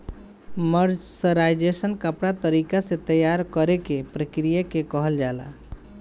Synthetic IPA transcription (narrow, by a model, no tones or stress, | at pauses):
məɾd͡ʒsəɾajd͡ʒesənkəpɽat̪əɾikasẽt̪əjaɾkəɾekepɾəkɾijakekɔɦəld͡ʒala̰